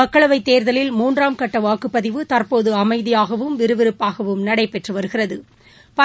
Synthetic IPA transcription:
ɐkːɐɭɐʋɐɪt̪ːeːɾðɐlɪlmuːndraːmkɐʈːɐʋaːkɯpːɐðɪʋɯt̪ɐrpoːðɯɐmɐɪðɪjaːɣɐʋɯmʋɪɾɯʋɪɾɯpːaːɣɐʋɯmnɐɽɐɪpɛʈrɯʋɐɾɯɣɪrɐðɯ | pɐ

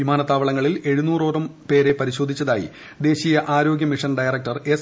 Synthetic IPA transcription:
ʋimaːnɐt̪ːaːʋɐɭɐŋːɐɭile̞ɻunuːro̞ːɾɐmpe̞ːɾe̞pɐɾiɕo̞ːd̪ʱit͡ɕːɐðaːjḭ | d̪e̞ːɕijɐʔaːɾo̞ːɡʲjɐmiʂɐnɖɐjɐrɐk̚ʈɐres

